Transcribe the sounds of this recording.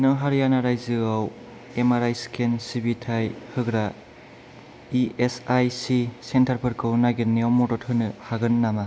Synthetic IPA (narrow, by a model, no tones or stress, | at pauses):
nɯŋɦaɾjanaɾajzɯaw | emaɾajskʰensibitʰajhɯɡɾa | iesajsisentʰaɾpʰɯɾkʰɯwnaɡɯnːeɔmɔdɔt̚hɯnɯhaɡɯnːama